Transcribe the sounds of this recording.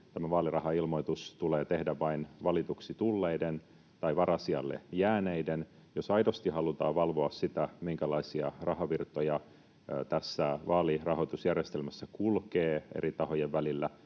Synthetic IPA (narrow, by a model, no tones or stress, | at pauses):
t̪æmæʋɑːlirɑhɑilmo̞it̪ust̪uleːt̪ehdæʋʋɑinʋɑlit̪uksit̪ulːe̞iden | t̪ɑiʋɑɾɑsiɑ̰lːḛjæːneiden | jo̞sɑjdo̞st̪iɦɑlut̪ɑːʋɑlʋo̞ɑssit̪æmiŋkælɑisiɑrɑɦɑʋirt̪ojɑ | t̪æsːæʋɑːlirɑhoit̪usjærjest̪elmæsːækulkeːḛrit̪ɑho̞jeʋʋælilːæ